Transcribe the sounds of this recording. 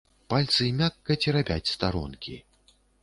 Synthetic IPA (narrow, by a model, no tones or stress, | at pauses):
palʲt̪sɨmʲakːɐt͡sʲiɾabʲa̰t͡sʲst̪aɾɔ̰nkʲḭ